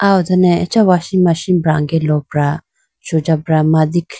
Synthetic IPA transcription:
awd̪ɐnɛɛt͡ʃawaʃimaʃinbɾaŋɡɛlɔbɾa | ʃod͡ʒabɾamad̪ikʰ

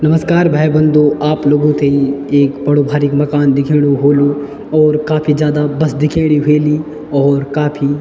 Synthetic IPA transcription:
nɐməskaːɾbʱaːjbɐ̃nd̪oʔaːploːɡõt̪ʰeieːkbɐɽobʱaːɾikmɐkaːnd̪ɪkʰeːɽ̃oɦoːlo | ɔːɾkaːpʰizjaːd̪abɐsd̪ɪkʰeːɽ̃iɦeːli | ɔːɾkaːpʰi

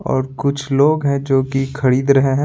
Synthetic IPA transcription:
ɔ̰ːɾkʊt͡ʃʰloːɡɦɛ̃d͡ʒoːkikʰɐɾiːd̪ɾɐɦeɦɛ̃

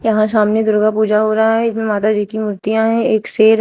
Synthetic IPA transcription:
jɐɦãsaːmned̪ʊɾɡapuːd͡ʒaɦoːɾaɦɛ̃ɪsmẽmaːt̪ad͡ʒiːkimʊɾt̪ijãɦɛ̃eːkseːɾ

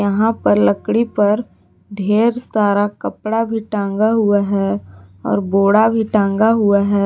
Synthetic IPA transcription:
jɐɦãpɐɾləkɽipɐɾ | ɖʱeːɾst̪aːɾakɐpɽabʱiʈãːŋ̆ɡaɦʊaɦɛːɔ̰ːɾboːɽabʱiʈãːŋɡaɦʊaɦɛː

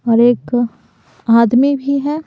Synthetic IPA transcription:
ɔːɾeːk | aːd̪mibʱiɦɛː

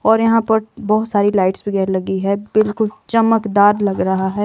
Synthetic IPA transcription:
ɔːɾjɐɦãpɐɾbɔːʊt̪saːɾilaːɪʈsbʱiɡɐɾlɐɡiɦɛbɪlkʊlt͡ʃɐməkd̪aːɾlɐɡɾɐɦaɦɛː

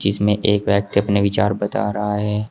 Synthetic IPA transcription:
d͡ʒɪsmẽʔeːkʋɛːk̚t̪ɐpneʋɪt͡ʃaːɾbɐt̪a̰ːɾɐɦaɦɛː

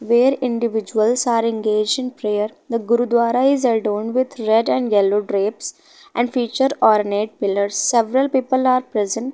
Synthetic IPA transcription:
ʋeːɾɪ̃ɳɖɪʋɪd͡ʒuəlsaːɾɛ̃nɡeːd͡ʒɖɪ̃npɾeːəɾd̪əɡʊɾud̪ʋaːɾaɪzəɖõːɳɖʋɪd̪ʰɾɛɖɛ̃ɳɖjɛloɖɾeːps | ʔɛ̃ɳɖfiːt͡ʃəɾɔːɾneʈ̚pɪləɾsːɛʋɾəlpiːpəlaːɾpɾɛzə̃ɳʈ

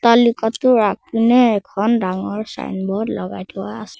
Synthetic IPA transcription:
tɔlikɔtʊɹapunɛːkʰɔndaŋɔɹsa̰jnbɔdlɔɡa̰jtuwa̰ːsɛ̥

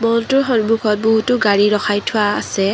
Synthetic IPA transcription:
mɔntʊɹɦɔnmukʰɔt̚bɔɦutʊɡaɹiɹɔxʰajtʰʊwaa̰sɛ

